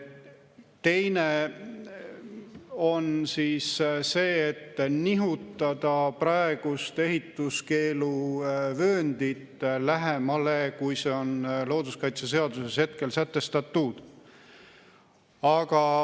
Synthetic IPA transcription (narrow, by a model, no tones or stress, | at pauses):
t̪e̞jne | o̞nsiːsse̞ːet̪ːniɦut̪ːˑɑd̪̥ɑprɑe̞ɡ̥ust̪e̞ɦit̪ːˑuske̞ːluvøːnd̪̥it̪læɦemɑle̞kujseo̞nlo̞ːd̪̥uskɑjt̪sese̞ɑd̪use̞she̞t̪̚ke̞lsæt̪ːe̞st̪ɑt̪ːud̪̥ | ɑɡ̥ɑ